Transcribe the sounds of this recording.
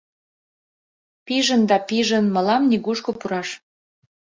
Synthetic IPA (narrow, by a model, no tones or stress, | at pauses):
piʒənd̪ɑpiʒənmə̆lɑmnʲiɣuʃkopuɾɑʃ